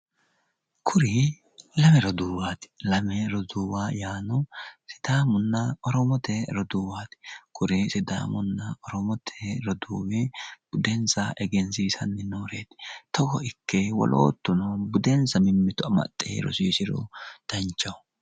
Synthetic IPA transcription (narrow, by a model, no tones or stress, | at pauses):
kʰʊɾɪ | lɐmɛɾɔd̪uːwaːt̪ɪ̥lɐmɛɾɔd̪uːwaːjaːnɔsɪd̪aːmʊnːɐɔɾɔmɔt̪ɛɾɔd̪uːwaːt̪ɪ̥kʰʊɾɪsɪd̪a̰ːmʊnːɐɔɾɔmɔt̪ʰɛɾɔd̪uːwɪb̥ʊd̪ɛnzɐʔɛɡɛnsiːsɐnːɪnoːɾeːt̪t̪ɔɡɔɪkːɛwɔ̰lʔo̰ːt̪ːʊnɔbʊd̪ɛnzɐmɪmːɪt̪ʊɐmɐ̰t̪ʼːḛːɾɔ̰siːsɪɾɔ̰d̪̥ɐnt͡ʃːɐw